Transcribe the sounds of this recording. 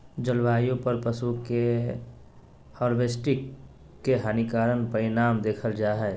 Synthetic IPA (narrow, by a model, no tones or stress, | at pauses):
d͡ʒəlʋaːjõpɐɾpəsuke | hɔːɾʋeːsʈɪkː | eɦaːnikaːɾənpəɾɪnaːmd̪eːkʰəld͡ʒaːɦɛː